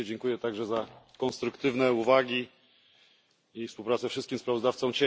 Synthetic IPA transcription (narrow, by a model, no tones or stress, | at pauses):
ɛd͡ʑɛŋkujɛt̪aɡʐɛzakɔ̃nst̪ɾukt̪ɘvnɛuvaɡʲi | ifspuwpɾat̪sɛfʂɘst̪̚kʲimspɾavɔzd̪aft̪sɔ̃mt͡ɕe